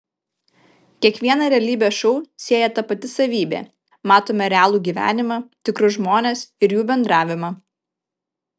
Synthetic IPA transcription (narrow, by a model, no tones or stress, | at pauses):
kʲiɛkʋʲiɛnɐɾʲɛɐlʲiːbʲeːʃɔʊsʲeɛːjɛt̪ɐpɐt̪ʲɪsɐʋʲiːbʲḛː | mɑːt̪oːmʲɛɾʲɛɑːlˠuːɡʲiːʋʲæ̰ːnʲɪmɑt̪ʲɪkɾʊʒmoːnʲeːsɪɾjuːbʲɛnd̪ɾɑːʋʲɪmɑ